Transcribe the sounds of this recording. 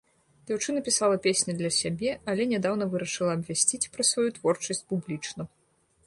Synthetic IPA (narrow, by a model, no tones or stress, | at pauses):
d͡zʲawt͡ʂɨnɐpʲisalˠɐpʲesʲnʲɐd̪lʲɐsʲabʲɛɐlʲɛnʲɛd̪awnɐvɨɾɐʂɨlˠɐɐbvʲasʲt͡sʲit͡sʲpɾɐsvajut̪vɔrt͡ʂɐsʲt͡sʲpublʲit͡ʂnɐ